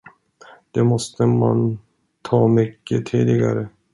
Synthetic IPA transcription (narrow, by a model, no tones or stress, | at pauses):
d̪̥ɛmɔst̪əma̰n | t̪ʰɑːmʏkːət̪ʰiːd̪ɪɡa̰ɾə